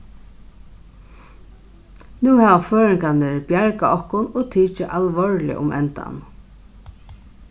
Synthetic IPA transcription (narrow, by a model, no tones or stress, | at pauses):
nuːhæːʋaføːɹɪŋkanɪɹbjaɹkaɔhkʊnoɣt̪ʰiːt͡ʃɪʔalʋɔɹlɪ̰ʔʊ̰mʔɛ̰nt̪a̰n